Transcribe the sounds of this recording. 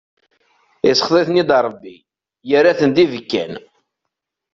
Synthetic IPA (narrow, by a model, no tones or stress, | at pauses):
ɪsə̥χðˤeθnid̪ɾˤəbːi | jəɾæθənd̪ivəkːæ̰n